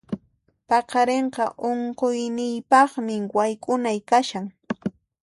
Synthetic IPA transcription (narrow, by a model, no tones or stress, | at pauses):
pɑqɑɾeɴqɑʔoɴqojnɪjpɑχmɪwajkʼʊnajkaʃaŋ